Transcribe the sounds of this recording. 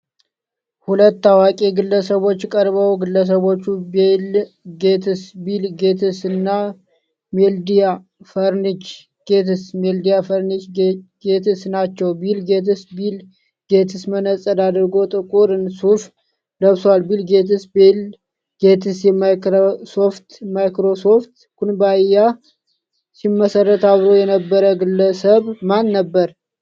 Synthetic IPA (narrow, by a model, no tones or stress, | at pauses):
hulət̪ːawakʼeɡɨlːəsəβo̞t͡ʃːkʼəɾbəwɡɨlːəs̬əβo̞t͡ʃːubel | ɡet̪ʰɨsbilɡe̞t̪ʰɨsɨnːa | meld̪ija | fəɾnit͡ʃ | ɡ̥e̞t̪ɨsmeld̪ijafəɾnit͡ʃɡe̞t̪ʰɨsnat͡ʃːɛwbilɡet̪ɨsbil | ɡe̞t̪ʰɨsmənəsʼəd̪ad̪ɾɡo̞t̪ʼɨkʼuɾɨnsuf | ləβswalbilɡe̞t̪ɨsbil | ɡ̥et̪ʰɨsjɛmajkɾosoft̪majkɾo̞so̞ft̪ | kʰunbaja | simːəsərːət̪aβɾo̞jɛnəbːəɾəɡɨlːəsəβmanːəbːəɾ